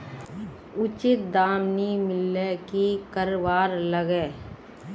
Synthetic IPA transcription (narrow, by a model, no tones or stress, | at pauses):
ʊt͡ʃɪt̪̚d̪aːmnimɪlekikəɾʋaːɾləɡɛː